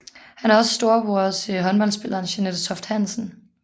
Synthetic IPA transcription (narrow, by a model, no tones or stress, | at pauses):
hænæɐɒ̽sə̥sd̥o̝ːɐb̥o̝ɐt͡sʰeɦɒ̽nb̥ɒ̽l̰nsb̥e̝lʔɐːnɕeneðˠt͡sʰɒ̽fd̥hæn̰sn̩